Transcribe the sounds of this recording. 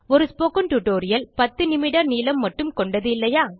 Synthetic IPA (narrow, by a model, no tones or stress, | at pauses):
ɔɾɯspoːkɐnʈuʈoːɾɪjɐlpɐt̪ːɯnɪmɪɽɐɾniːlɐmːɐʈːɯmkɔɳɖɐðɯɪlːɐjaː